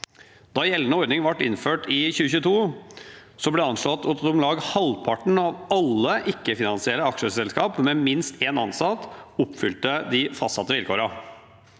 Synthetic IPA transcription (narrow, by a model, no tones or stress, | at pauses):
d̪̥ɑːjɛlnəɔɾd̪ɪŋʋɑʈːɪnføːʈɪçʉːəçʉːət̪ʰuː | sɔblɛɑnʂɭɔt̪ːɔt̪ɔmlɑːɡhɑlpʰɑʈɳ̩ɑːʋɑlːəʔɪkːəfɪnɑnsɪɛɾəɑkʂəsɛlskɑːpmɛmɪnst̪eːnɑnsɑt̪ːʊpːfʏlt̪əd̪ɪfɑst̪sɑ̰t̪ːəʋɪlkʰoːɾɑ